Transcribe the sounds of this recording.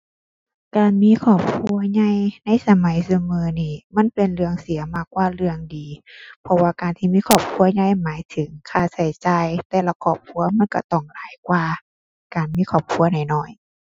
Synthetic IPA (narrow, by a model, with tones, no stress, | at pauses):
kaː˨nmiː˧˥˨kʰɔː˧˩p̚kʰu˧˥ɐɲa˧˥˨jna˧˥˨jsa˧˦ma˨˦jsu˧mɯː˧˦niː˧˩ma˧˥˨npe˨˩nlɯ˧əŋsi˨˦ɐmaː˧˩k̚ːwaː˧lɯ˧əŋdiː˨pʰɔ˧waː˧kaː˨nt̪ʰiː˧miː˧˥˨kʰɔː˧˩p̚kʰu˧˨ɐɲa˧˥˩jmaː˨˦jt̪ʰɯ˨˦ŋkʰaː˧˩sa˨˦jt͡ɕaː˧jt̪ɛː˧˩la˧˩kʰɔː˧˩p̚kʰu˧˥ɐma˧˥˨nka̰˧˩t̪ɔ˧˩ŋlaː˨˦jkwaː˧ | kaː˨˩nmiː˧˥˨kʰɔː˧˩p̚kʰu˧˥ɐna˧˩jnɔː˧˩j